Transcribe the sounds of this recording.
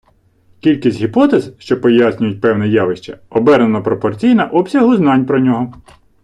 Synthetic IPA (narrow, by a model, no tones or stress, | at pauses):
kʲilʲkʲisʲtʲɦʲipɔt̪ezʃt͡ʃɔpɔjɑsʲnʲʊjʊt̚ʲpɛwnɛjɑʋɪʃt͡ʃɐ̰ɔbɛɾnenɐpɾɔpɔrt͡sʲijnɐʔɔbsʲɐɦʊznɑnʲpɾɔnʲɔɦɔ